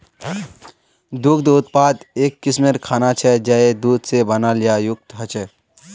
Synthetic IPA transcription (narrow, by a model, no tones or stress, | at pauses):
d̪ʊkd̪ʊt̪paːd̪eːkːɪsmeɾkʰaːnat͡ʃʰɛd͡ʒaed̪uːd̪ʱsebənaːljajʊk̚t̪ɦət͡ʃʰɛ